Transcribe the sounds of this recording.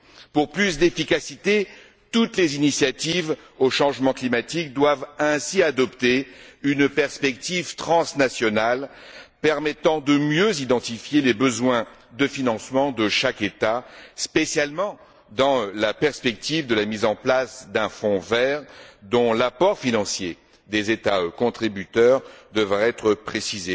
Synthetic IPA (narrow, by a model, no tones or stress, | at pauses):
puʁplysd̪efikasit̪e | t̪ut̪lezinisjat̪iv | oʃɑ̃ʒmɑ̃klimat̪ik̚d̪wavɛ̃siad̪ɔpt̪eynpɛʁspɛk̚t̪ivt̪χɑ̃snasjɔnalpɛʁmɛt̪ɑ̃d̪əmjøzid̪ɑ̃t̪ifjelebəzwɛ̃d̪əfinɑ̃smɑ̃d̪əʃaket̪aspesjalmɑ̃ | d̪ɑ̃lapɛʁspɛk̚t̪ivd̪əlamizɑ̃plasd̪ɛ̃fɔ̃vɛʁd̪ɔ̃lapɔʁfinɑ̃sje | d̪ezet̪aøkɔ̃t̪χibyt̪œʁd̪əvʁɛɛt̪χəpχesize